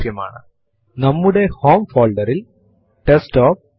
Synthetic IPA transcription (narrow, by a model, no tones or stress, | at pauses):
jɐma̰ːɳɨ̰ | nɐmːɯɽehoːmfoːɭɖɐɾil | ʈesʈoːf